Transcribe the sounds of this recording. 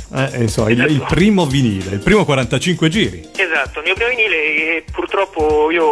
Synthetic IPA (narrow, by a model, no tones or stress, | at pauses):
ɛʔinsomːaililpɾiːmoviniːleilpɾiːmokwaɾant̪at͡ʃiŋkwed͡ʒiːɾḭezat̪ːomiopɾiːmoviniːlepːurt̪ɾɔpːoiːo